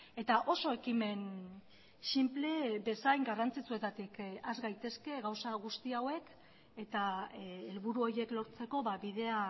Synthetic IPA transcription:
e̞t̪aʔo̞so̞e̞kime̞n | simple̞be̞sajŋɡarant͡sit͡sue̞t̪at̪ikazɡajt̪e̞ske̞ɣawsaɣ̞ust̪iawe̞k | e̞t̪aelβuɾuo̞ɾje̞klo̞ɾt͡se̞ko̞βaβið̞e̞a

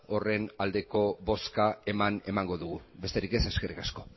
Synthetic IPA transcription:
o̞re̞nald̪e̞ko̞βo̞skae̞mane̞maŋɡo̞ðuɣ̞ube̞st̪eɾike̞seskerikasko̞

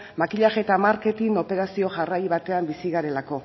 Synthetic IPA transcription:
makiʎaɣet̪amaɾke̞t̪ino̞pe̞ɾasio̞ʝarajβat̪e̞ambisiɣaɾe̞lako̞

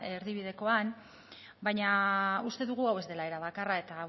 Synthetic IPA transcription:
eɾðiβ̞iðe̞ko̞an | bajɲaust̪e̞ðuɣ̞uawe̞zd̪e̞lae̞ɾaβakarae̞t̪a

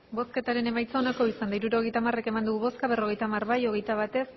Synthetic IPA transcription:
bo̞ske̞t̪aɾe̞ne̞majt͡saonako̞isand̪aijɾuɾo̞ɣ̞e̞jt̪amare̞ke̞mand̪uɣuβo̞skaβ̞e̞ro̞ɣ̞e̞jt̪amarβajo̞ɣe̞jt̪aβ̞at̪e̞s

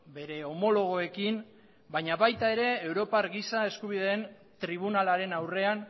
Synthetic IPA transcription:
be̞ɾe̞omo̞lo̞ɣ̞o̞e̞kim | bajɲaβajt̪ae̞ɾe̞ːwɾo̞paɾɣisae̞skuβ̞ið̞e̞ːn | t̪ɾiβ̞unalaɾe̞nawre̞an

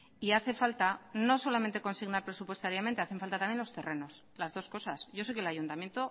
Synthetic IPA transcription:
iaθe̞falt̪ano̞so̞lamẽ̞nt̪e̞ko̞nsiɣnaɾpɾe̞supwe̞st̪aɾjamẽnt̪e̞aθe̞ɱfalt̪at̪amjelot̪e̞re̞no̞s | lazðo̞sko̞sasʝo̞sek̬elajunt̪amje̞nt̪o

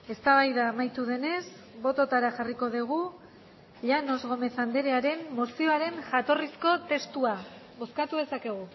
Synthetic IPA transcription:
e̞st̪aβ̞ajðaːmajt̪uð̞e̞ne̞s | βo̞t̪o̞t̪aɾaʝariko̞ðeɣ̞u | ʎano̞zɣo̞me̞θand̪e̞ɾe̞aɾe̞nːosio̞aɾe̞nʝat̪o̞risko̞t̪e̞st̪ua | βo̞skat̪uðe̞sake̞ɣ̞u

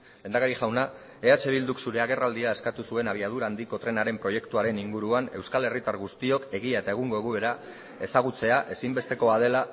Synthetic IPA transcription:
e̞nd̪akaɾiʝawna | e̞at͡ʃe̞β̞ild̪uksuɾe̞aɣ̞e̞rald̪iae̞skat̪usue̞naβiað̞uɾaːnd̪iko̞t̪ɾe̞naɾe̞mpɾo̞je̞kt̪uaɾe̞niŋɡuɾuane̞wskale̞rit̪aɾɣust̪io̞ke̞ɣ̞iae̞t̪ae̞ɣ̞uŋɡo̞eɣuβe̞ɾa | e̞saɣ̞ut͡se̞aʔe̞simbe̞st̪e̞ko̞að̞e̞la

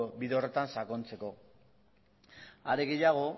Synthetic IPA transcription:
biðeo̞re̞t̪ansako̞nt͡se̞ko̞ | aɾeɣe̞jaɣ̞o̞

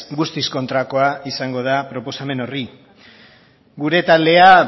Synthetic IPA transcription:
ɡust̪isko̞nt̪ɾako̞aisaŋɡo̞ðapɾo̞po̞same̞no̞ri | ɡuɾe̞t̪ald̪e̞a

